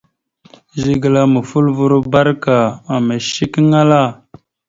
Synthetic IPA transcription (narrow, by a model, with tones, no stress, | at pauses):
zi˨ɡə˨la˨mə˨fu˦lvu˦ɾu˦ba˦ɾka˨a˨mə˨ʃi˦kŋa˦la˦˨